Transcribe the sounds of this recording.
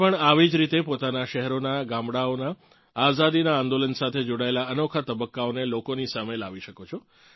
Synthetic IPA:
pəɳaʋid͡ʒɾit̪epot̪anaʃɛɦɛɾonaɡãmɽaonaː | zad̪inaːnd̪olənsat̪ʰed͡ʒoɽaelaənokʰat̪əbəkːaonelokonisaməjlaʋiʃəkot͡ʃʰo

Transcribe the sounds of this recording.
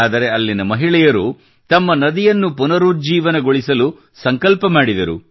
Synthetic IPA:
aːd̪ɐɾe̞ɐlːinɐmɐɦiɭɛjɐɾu | t̪ɐmːɐnɐd̪ijɐnːupunɐɾuːd͡ʒiːʋɐnɐɡoɭisɐlu | sɐŋkɐlpɐmaːɽid̪ɐɾṵ

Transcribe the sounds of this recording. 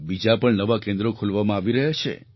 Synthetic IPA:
bid͡ʒapəɳnəʋakẽnd̪ɾokʰulʋamãaːʋiɾəɦet͡ʃʰḛ

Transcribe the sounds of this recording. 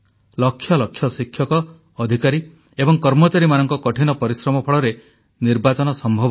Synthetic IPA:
lɔkʰːjɔlɔkʰːjɔsikʰjɔkɔː | d̪ʱikaɾi | ebɔŋkɔɾmɔt͡ʃaɾimanɔŋkɔkɔʈʰinɔpɔɾisɾɔmɔpʰɔɭɔɾe | niɾbat͡ʃɔnɔsɔmbʱɔbɔ

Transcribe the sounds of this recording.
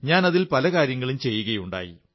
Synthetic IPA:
ɲaːnɐðilpɐlɐkaːɾjɐŋːɐɭumt͡ɕe̞jːuɣɐjuɳɖa̰ːjḭ

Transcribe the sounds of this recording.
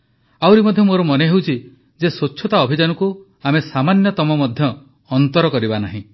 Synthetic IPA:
awɾimɔd̪ʱjɔmoɾɔmɔneɦewt͡ʃʰi | d͡ʒesoːʃʰɔt̪aɔbʱid͡ʒanuku | amesamanjɔt̪ɔmɔmɔd̪ʱjɔː | nt̪ɔɾɔkɔɾibanaɦḭ̃

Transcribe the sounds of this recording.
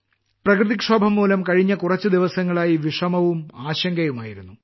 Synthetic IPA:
prɐkrɨðikʂoːbʱɐmːuːlɐmkɐɻiɲːɐkurɐt͡ɕːɨd̪iʋɐsɐŋːɐɭaːjiʋiʂɐmɐʋumaːɕɐŋɡɐjumaːjiɾunːu

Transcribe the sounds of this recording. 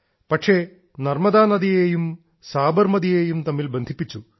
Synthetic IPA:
pɐʈʂe | nɐɾmɐd̪aːnɐd̪ijeːjum | saːbɐɾmɐd̪ijeːjumt̪ɐmːilbɐnd̪ʱipːit͡ʃːu

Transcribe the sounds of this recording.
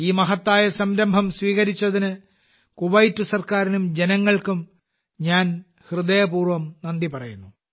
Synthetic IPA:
iːmɐɦɐt̪ːaːjɐsɐmɾɐmbʱɐmsʋiːɣɐɾit͡ɕːɐðinɨ | kuʋɐjtːusɐrkaːɾinumd͡ʑenɐŋːɐɭkum | ɲaːn | hrɨðɐjɐpuːrʋɐmnɐnd̪ipɐrɐjunːu

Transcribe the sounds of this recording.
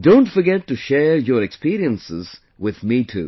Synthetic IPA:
dõʊ̃ntfəɾɡɛtːuʃɛɹjɔɾɛkspiɾiə̃nsɪ̰z̥ | wɪðmitʰṵː

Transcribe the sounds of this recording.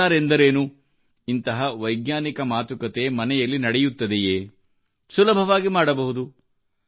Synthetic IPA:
aːɾe̞nd̪ɐɾeːnu | int̪ɐɦɐʋɐjɡnaːnikɐmaːt̪ukɐt̪emɐnɛjɐlːinɐɽɛjut̪ːɐd̪ejeː | sulɐbʱɐʋaːɡimaːɽɐbɐɦud̪u

